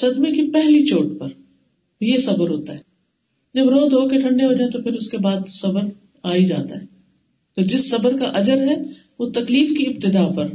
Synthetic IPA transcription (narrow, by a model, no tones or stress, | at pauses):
sɐd̪mekipɛɦlit͡ʃoːʈpɐɾ | jesɐbəɾɦoːt̪aɦɛː | d͡ʒɐbɾoːd̪ʱɦoːkeʈʰɐ̃ɳɖeɦoːd͡ʒaːẽt̪opʰɪɾʊskebaːd̪sɐbəɾ | aːid͡ʒa̰ːt̪a̰ɦɛː | t̪od͡ʒɪsːɐbəɾkaʔɐd͡ʒəɾɦɛ | ʋot̪ɐkliːfkiɪb̚t̪ɪd̪aːpɐɾ